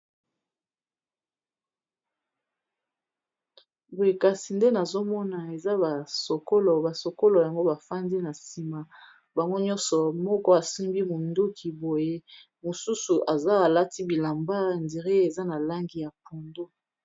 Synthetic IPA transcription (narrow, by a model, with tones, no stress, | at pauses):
bo˨e˦ka˨si˨nde˦na˨zo˦mɔ˦na˨e˨za˦ba˨so˨ko˦lo˨ba˨so˨ko˦lo˨ja˨ŋɡo˦ba˨fa˦ndi˦na˨si˨ma˨ | ba˨ŋɡo˦ɲɔ˦nsɔ˨mɔ˦kɔ˦a˨si˦mbi˦mu˨ndu˦kʰi˨bo˨je˦ | mo˨su˦su˨ʔa˨za˦a˨la˦ti˦bi˨la˨mba˦˨ndi˨ʁe˦e˨za˦na˨la˦ŋɡi˨ja˨po˨ndo˦